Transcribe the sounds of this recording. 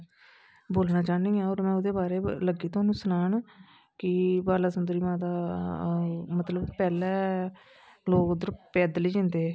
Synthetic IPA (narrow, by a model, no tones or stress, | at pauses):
boːlnãːt͡ʃaːniːãːɔːɾmɛ̃ːʊd̪eːbaːɾeːləɡiːt̪õaːnũːsənaːɳ | kɪbaːlaːsənd̪ɾiːmãːt̪aː | mət̪ləbpɛːlɛː | loːkd̪əɾpɛːd̪liːd͡ʒɪ̃nd̪eː